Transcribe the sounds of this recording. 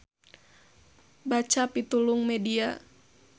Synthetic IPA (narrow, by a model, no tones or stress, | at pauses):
bat͡ʃapit̪uluŋmɛdia